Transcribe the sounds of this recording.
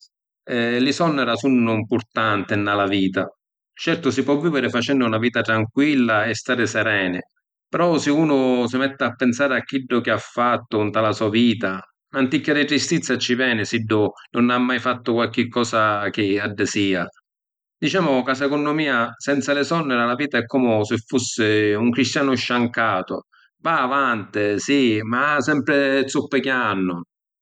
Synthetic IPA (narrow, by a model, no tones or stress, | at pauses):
ɛlɪsɔnːɛɾasunːʊimpʊɾt̪ant̪ɪnːalaviːt̪a | t͡ʃɛɾt̪ʊsipwɔvːiːvɪɾɪfat͡ʃɛnːʊunaviːt̪at̪ɾaŋkwilːaɛst̪aːɾɪsɛɾɛːnɪ | pɛɾɔsɪuːnʊsɪmɛt̪ːɪapːɛnsaːɾɪak̟ːiɖːʊk̟ɪafːat̪ːʊnt̪alasuːaviːt̪a | ant̪ikːaɾɪt̪ɾist̪it̪sːjat͡ʃːivjɛːnɪsiɖːʊnʊnamːajfat̪ːʊkwalk̟ɪkːɔːsak̟ɪaɖːɪsiːa | d̪it͡ʃaːmʊkas̬ɛkʊnːʊmiːasɛnt̪salɪsɔnːɛɾalaviːt̪aɛkːɔmʊsɪfːusːɪuŋkɾist̪jaːnʊʃːaŋkaːt̪ʊ̰ | vaːvant̪ɪsimaasɛmpɾɪt̪supːɪkjanːʊ